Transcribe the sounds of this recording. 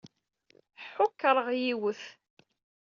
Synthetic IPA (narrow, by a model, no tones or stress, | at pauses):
ħʊkːɾˤəʁjiwəθ